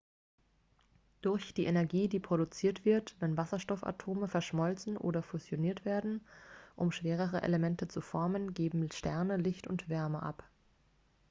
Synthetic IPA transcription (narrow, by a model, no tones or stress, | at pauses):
d̥ʊɐçd̥iːʔenɛɐɡiːdiːpʁ̥oɾut͡siːɐtv̥ɪɐtvɛnvasɐʃtɔfa̰tʰoːməfɛɐʃmɔlt͡sn̩ʔo̰ːdɐfuzjoniːɐtv̥eːɐdn̩ʔʊmʃv̥eːʁ̞əʁ̞əʔḛləmɛntət͡sufɔɐmənɡeːbm̩ʃtɛɐnəlɪçtʊ̰ntv̥ɛɐməʔa̰p